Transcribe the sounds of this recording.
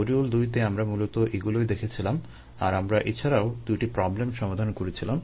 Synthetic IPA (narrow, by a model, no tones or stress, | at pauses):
oɾiuld̪ujt̪̬eamɾamulot̪oʔeɡuloed̪ekʰet͡ɕʰilam | a̰ɾamɾaʔet͡ɕʰaɾaod̪ujʈipɾɔblemʃɔmad̪ʱankoɾet͡ɕʰilam